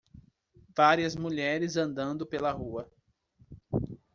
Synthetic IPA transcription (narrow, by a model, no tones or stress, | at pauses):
vaɾiɐzmuʎɛɾɪzɐ̃nd̪ɐ̃nd̪ʊpelɐɦuɐ